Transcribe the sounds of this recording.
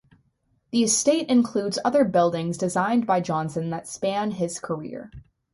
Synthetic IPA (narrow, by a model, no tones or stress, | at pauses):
ðiɨsteɪɾɨ̃nkʰl̥udzʌðə˞bɪlˠdɪ̃ŋzdɨzãɪ̃nbaɪd͡ʒɑ̃nsɨ̃nðɨtspæ̃nɪz̥kʰə˞ɪ̰ɹ